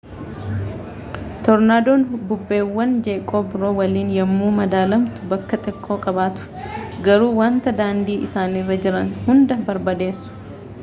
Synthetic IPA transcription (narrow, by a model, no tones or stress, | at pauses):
t̪ɔɾnaːd̪oːnbʊbːe̞ːwːɐnd͡ʒe̞ːkʼːoːbɪɾo̞ːwɐliːnjɐmːuːmɐd̪aːlɐmt̪ʊ̥bɐkːɐt̪ʼɛkʰʼːo̞ːkʼɐbaːt̪ʊ̥ | ɡɐɾuːwaːnt̪ɐd̪aːnd̪iːʔɪsaːniːrːɐd͡ʒɪɾɐnhʊnd̪ɐbɐɾbɐd̪e̞ːsːʊ̥